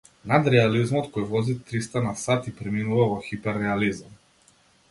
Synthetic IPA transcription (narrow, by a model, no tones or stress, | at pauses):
nad̪ɾɛalizmɔt̪kɔjvɔzit̪ɾist̪anasat̪ipɾɛminuvavɔxipɛɾːɛalizam